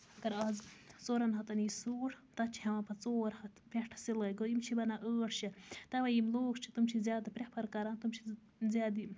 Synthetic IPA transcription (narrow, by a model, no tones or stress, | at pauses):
ɐɡɐɾaːzt͡soːɾɐnɦɐt̪ɐniːsuːʈʰ | t̪ɐt͡ʃʰiɦɐwãpɐt͡soːɾhɐt̪peʈʰsilɐːɡoimt͡ʃʰibɐnaʔəːʈʰt͡ʃʰit̪ɐʋɐjimloːkt͡ʃʰi̥t̪umt͡ʃʰizjaːd̪ɨpɾʲepʰɐɾkɐɾaːnt̪umt͡ʃʰi | zʲjaːd̪i